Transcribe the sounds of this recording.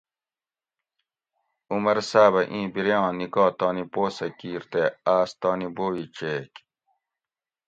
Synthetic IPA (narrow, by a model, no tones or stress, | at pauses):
umɐɾsaːbɐʔĩːbiɾjɑ̃ːnikɔːt̪aːnipoːsɐkiːɾt̪eaːst̪aːniboːwit͡ɕeːk